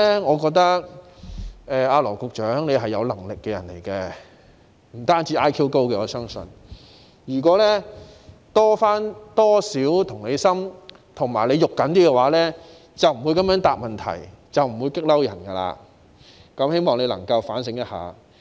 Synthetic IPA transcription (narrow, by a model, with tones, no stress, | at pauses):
ɛ˥ŋɔː˨˧kɔː˧k̚t̪ɐ˥k̚ | ɛː˨˧aː˧lɔː˨˩wkʊ˧k̚t͡ʃœː˨˥ŋne˨˧jɦɐ˨jːɐ˨˧wlɐ˨˩ŋlɪ˨kːɛ˧jɐ̰˨˩nlḛ˨˩jkɛː˧ | m̩˨˩t̪aː˥nt͡siː˨˧˥ʔaː˥jkʰiː˥wko˥wkɛː˧ɔː˨˧sœː˥ŋsɵ̰˧n | jyː˨˩kɔː˨˥lɛ˥ | t̪ɔː˥faː˥nt̪ɔː˥siː˨˥wt̪ʰʊ˨˩ŋne˨˧jsɐ˥m | t̪ʰʊ˨˩ŋmaː˨˩jle˨˧jʊ˨kːɐ˨˥nt̪iː˥kɛ˧waː˨˥lɛː˥ | t͡sɐ˨wm̩˨˩wu˨˧kɐ˨˥mjœː˨˥ŋt̪aː˨p̚mɐ˨˩nt̪ʰɐ̰˨˩j | t͡sɐ˨wm̩˨˩wuː˨˧jkɪ˥k̚lɐ˥wjɐ̰˨˩nkɐ˧la̰ː˧ | kɐ˨˥mhe˥jmɔː˨˩ŋle˨˧lɐ̰˨˩ŋkɐ˧wfaː˨˥ns̬ɪ˨˥ŋjɐ˥t̚ha̰ː˨